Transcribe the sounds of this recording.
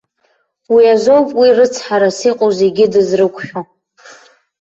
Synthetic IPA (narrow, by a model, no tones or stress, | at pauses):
wiazowpʼwirɨt͡sʰħaɾasiqʼozeɡʲɪdɨzrɨkʷʰʼʃᶣo